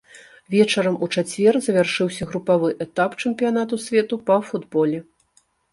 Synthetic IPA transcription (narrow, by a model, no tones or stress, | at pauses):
vʲɛt͡ʂɐɾɐmut͡ʂat͡sʲvʲɛrzɐvʲarʂɨwsʲɐɣɾupavɨʔɛt̪apt͡ʂɛmpʲijan̪at̪usʲvʲɛt̪upɐfud̪bɔlʲɛ